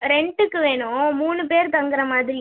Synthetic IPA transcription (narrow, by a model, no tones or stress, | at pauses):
ɾɛɳɖɯkːɯʋeːɳʊ̃muːnɯpeːɾt̪ɐŋɡɯɾɐmaːðɪɾɪ